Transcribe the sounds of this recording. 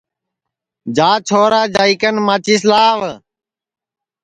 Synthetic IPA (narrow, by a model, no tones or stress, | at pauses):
d͡ʒaːt͡ʃʰoːɾaːd͡ʒaːiːkənmat͡ʃiːs̬laːʋ